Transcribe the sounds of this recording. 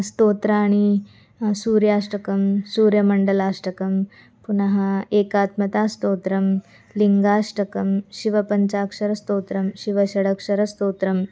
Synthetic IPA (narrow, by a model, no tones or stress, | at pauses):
st̪oːt̪ɾɐːɽ̃i | suːɾjaːʂʈɐkɐmsuːɾjɐmɐɳɖɐlaːʂʈɐkɐm | punaɦɐeːkaːt̪mɐt̪aːst̪oːt̪ɾɐm | liŋɡaːʂʈɐkɐmɕiʋɐpɐɲt͡ɕaːkʂɐɾɐst̪oːt̪ɾɐmɕiʋɐɕɐɽɐkʂɐɾɐst̪oːt̪ɾɐm